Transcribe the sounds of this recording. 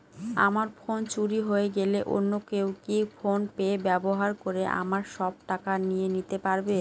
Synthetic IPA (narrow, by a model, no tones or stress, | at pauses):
a̰maɾfʰont͡ɕuɾiɦoeɡeleʔo̰nːokewkifonpeːbɛboɦaɾkoɾeʔa̰maɾʃɔb̚ʈakanijenit̪epaɾbe